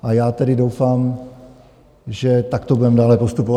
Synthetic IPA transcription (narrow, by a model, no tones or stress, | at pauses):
ʔajaːt̪ɛɾɪdowfaːm | ʒɛt̪akt̪obudɛmdaːlɛpost̪upov